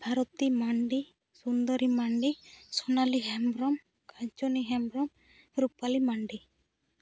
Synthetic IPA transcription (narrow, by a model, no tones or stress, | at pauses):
bʱaɾɔt̪imaɳɖi | sund̪əɾimaɳɖisɔnaliɦɛmɾɔm | kaɲt͡ʃoniɦɛmbɾɔm | ɾupalimaɳɖi